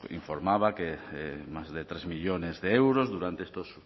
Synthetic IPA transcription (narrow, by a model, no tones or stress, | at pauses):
ḭɱfoɾmaβakeɛmazðet̪ɾezmiʎonezðeewɾozðuɾant̪eest̪os